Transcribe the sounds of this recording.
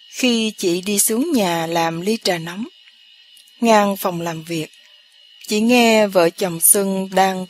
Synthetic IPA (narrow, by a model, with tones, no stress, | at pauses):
xi˧t͡ɕḭ˧˨ɗi˧sɨ˨˦əŋɲaː˨˩laː˨˩mli˧t͡ɕaː˨˩nɔ˨˦wm | ŋaː˧ŋfa˨˩wŋ͡mlaː˨˩mvi˨˩ək̚ | t͡ɕḭ˧˨ŋɛ˧və̰ː˧˨˩t͡ɕə˨˩wŋ͡msɨ˧ŋɗaː˧ŋ